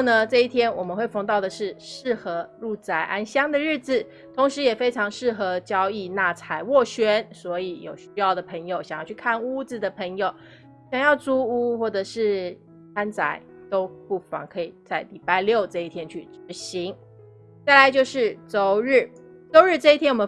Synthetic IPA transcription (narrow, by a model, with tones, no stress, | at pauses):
nə˧ʈ͡ʂɤ˥˧i˥˩t̪ʰjɛ˥nwɔ˨˩mə˦nxwe˥˩ɪfɑ˥ŋt̪ɑ˥˩ʊd̪ə˩ʂɻ̩˥˧ʂɻ̩˥˩xɤ˧˥lu˥˩t͡sa˨˩ɪʔa˥nɕjɑ˥ŋd̪ə˨ɻ̩˥˩d͡z̩˨˩ | t̪ʰʊ˧˥ŋʂɻ̩˧˥jɛ˨˩fe˥ɪʈ͡ʂʰɑ˧˥ŋʂɻ̩˥˩xɤ˧˥t͡ɕjɑ˥ʊi˥˧na˥˩t͡sʰa˨˩ɪwɔ˥˩ɕɥɛ˥nswɔ˧˥i˧˥jo̰˨˩ʊɕy˥jɑ˥˩ʊd̪ə˩pʰɤ˧˥ŋjo˨˩ʊɕjŋjɑ˥˧ʊt͡ɕʰy˥˩kʰa˥˩nu˥d͡z̩˨d̪ə˩pʰɤ˧˥ŋjo˨˩˦ʊ | ɕjɑ˨˩ŋjɑ˥˩ʊʈ͡ʂu˥u˥xwɔ˥˩ʈ͡ʂɤ˨˩ʂɻ̩˥˩ | kʰa˥nt͡sa̰˨˩˦ɪt̪o˥ʊpu˥˩fɑ̰˧˥ŋkʰɤ˧˥i˨˩t͡sa˥˩ɪli˨˩pa˥˧ɪljo˥˧ʊt͡sɤ˥˧i˥˩t̪ʰjɛ˥nt͡ɕʰy˥˩ʈ͡ʂɻ̩˧˥ɕi˧˥ŋ | t͡sa˥˩ɪla˧ɪt͡ɕjo˥˧ʊʂɻ̩˥˩t͡so˧˥ʊɻ̩˥˩ | t͡so˧˥ʊɻ̩˥˧ʈ͡ʂɤ˥˧i˥t̪ʰjɛ˥nwɔ˨˩m˧˦